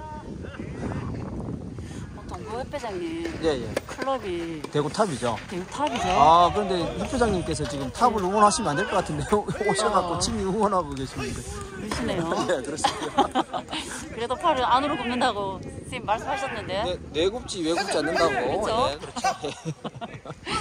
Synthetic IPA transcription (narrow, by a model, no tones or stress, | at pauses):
ʌtʰoŋojepʰjed͡ʑaŋɲije̞jekʰɯɭːʌbitwe̞ɡotʰabid͡ʑo̰twe̞ɡotʰabid͡ʑoakɯɾʌnde̞hupʰed͡ʑaŋɲimk͈e̞sʰʌt͡ɕiɡɯmtʰabɯɭuŋʌnɦaɕʰimandeɭk͈ʌk͈atʰɯndeoɕʰiɭkakk͈ot͡ɕʰimiuŋʌnɦaɡoɡe̞ɕʰinɯndeɯɕʰinejojekɯɾʌs͈o | kɯɾedopʰaɾɯanɯɾokɯmnɯndaɡosʰeimːaɭs͈ɯmɦaɕʰʌnːɯnde̞nenwe̞ɡup̚t͡ɕ͈iwe̞ɡop̚t͡ɕ͈ianːɯndaɡookɾʰje